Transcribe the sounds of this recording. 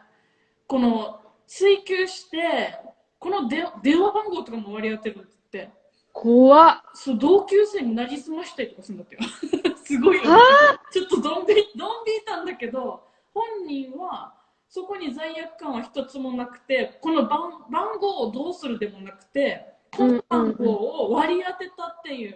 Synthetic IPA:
ko̞no̞ | t͡sɨikʲɨːɕi̥t̪e̞ | ko̞no̞d̪ẽd̪ẽ̞ɰ̃βabãŋɡo̞ːt̪o̞kamo̞βaɾʲiat̪eɾɯ̟not̪t̪ːe̞ | kʰoa | sod̪o̞ːkʲɨːse̞ːɲ̟ːinaɾʲisɨmaɕi̥t̪aɾit̪o̞kasɨ̃nd̪ak̪ːejosɨɡo̞ijot͡ɕo̞t̪ːo̞d̪õmbʲid̪õ̞mbʲiːt̪ãnd̪ake̞d̪o̞ | hõ̞ɲ̟ːĩɰ̃βa | so̞ko̞ɲ̟izaijakɯ̟̥kːãɰ̃açi̥t̪o̞t͡sɨmo̞nakɯ̟̥t̪e̞ko̞no̞bãbãŋɡo̞ːd̪o̞ːsɨɾɯ̟d̪e̞mo̞nakɯ̟̥t̪e̞kobãŋɡo̞ːoβaɾʲiat̪e̞t̪at̪ːe̞jɯ̟ː

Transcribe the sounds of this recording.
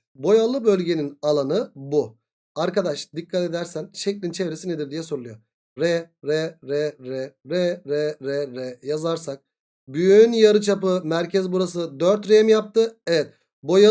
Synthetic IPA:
bo̞jalˠɯbølʲɟe̞ninalˠanɯbu | aɾkad̪aʃd̪ikʰːat̪e̞d̪æɾsænʃeclʲint͡ʃʰevɾesined̪iɾd̪ijɛso̞ɾulˠujo | ɾɛɾɛɾɛɾɛɾɛɾɛɾɛɾɛjazaɾsak̚ | byjynjaɾɯt͡ʃʰapɯmæɾcʰɛzbuɾasɯd̪øɾt̪ɾeɛmjap̚t̪ʰɯɛvɛt̪̚ | bo̞ja

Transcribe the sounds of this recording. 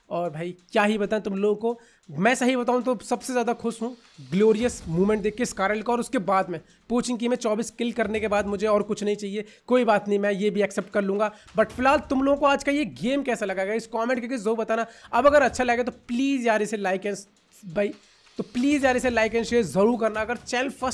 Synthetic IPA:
ɔːɾbʱaːikjaːɦibɐt̪aːẽt̪ʊmloːɡõko | mɛ̃ːsɐɦibɐt̪aːɦũt̪osɐbsezjaːd̪axʊʃɦũ | ɡloːɾijəsmuːmẽɳʈ̚d̪eːkʰkeɪskaːɾəlkoɔːɾʊskebaːd̪mẽ | poːt͡ʃɪ̃ŋk̬imẽt͡ʃɔːbiːskɪlkɐɾnekebaːd̪mʊd͡ʒʱeɔːɾkʊt͡ʃʰnɐɦĩt͡ʃaːɦie | koːibaːt̪nɐɦĩmɛ̃jebʱiɐksɛːp̚ʈ̚kɐɾlũːŋɡabɐʈfɪlaːlt̪ʊmloːɡõkoaːd͡ʒkaijeɡeːmkɛːsalɐɡaɡaɪskɔːmẽɳʈkeɡizouːɾbɐt̪aːnaɐbɐɡəɾɐtːʃʰalɐɡet̪̬opliːzjaːɾɛselaːɪkɛns | bʱai | t̪opliːzjaːɾɛselaːɪk̬ɛ̃nsʃeːzɐɾuːɾkɐɾnaɐɡəɾt͡ʃɛːlfɐs

